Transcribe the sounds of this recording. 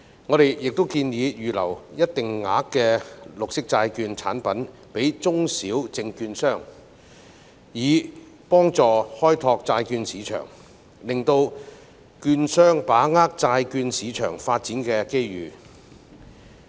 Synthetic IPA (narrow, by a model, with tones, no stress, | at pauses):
ŋɔ˨˧ɾe˨jjɪ˨k̚t̪o˥wkiː˧njiː˨˧jyː˨lɐ̰˨˩wjɐ˥t̚t̪ɪ˨˩ŋːa̰ː˨˥kːɛː˧lʊ˨k̚sɪ˥k̚t͡saː˧jkyː˧nt͡sʰa̰ː˨˥npɐ˨˥n | pe˨˥jt͡sʊ˥ŋsiː˨˥wt͡sɪ˨ŋkyː˧nsœː˥ŋ | jiː˨˧ | pɔː˥ŋt͡sɔː˨hɔː˥jt̪ʰɔː˧k̚t͡saː˧jkyː˧nsiː˨˥t͡ʃʰœ̰ː˨˩ŋ | lɪ˨˩ŋt̪o˧w | kyː˧nsœː˥ŋpaː˨˥ŋaː˥k̚t͡saː˧jkyː˧nsiː˨˥t͡ʃʰœ̰ː˨˩ŋfaː˧t̚t͡siː˨˥nkɛː˧ke˥jɥyː˨